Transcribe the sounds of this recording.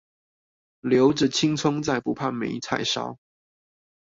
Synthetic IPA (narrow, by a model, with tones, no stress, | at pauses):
ljo˨˧˥ʊʈ͡ʂ̩˨˩t͡ɕʰi˥˦ŋt͡sʰʊ˥ŋt͡sa˥˩ɪpu˨˦pʰa˥˩nme˨˧˥ɪt͡sʰa̰˥˩ɪʂɑ̰˥ʊ